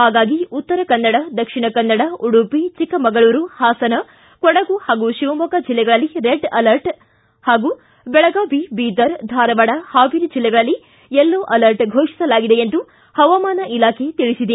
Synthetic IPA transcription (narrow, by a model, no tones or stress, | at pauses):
ɦaːɡaːɡiut̪ːɐɾɐkɐnːɐɽɐd̪ɐkʂiɳɐkɐnːɐɽɐuɽupit͡ʃikːɐmɐɡɐɭuːɾuhaːsɐnɐ | kɔɽɐɡuhaːɡuʃiʋɐmɐkɐd͡ʒilːɛɡɐɭɐlːiɾeɖɐlɐɾʈ | haːɡu | bɛɭɐɡaːbibiːd̪ɐɾd̪ʱaːɾɐʋɐɽɐhaːbiɾid͡ʒilːɛɡɐɭɐlːi | ɛlːoːʔɐlɐɾʈɡʱoːʂi̥sɐlaːɡid̪e̞end̪u | hɐʋɐmaːnɐʔilaːkʰe̞t̪iɭisid̪e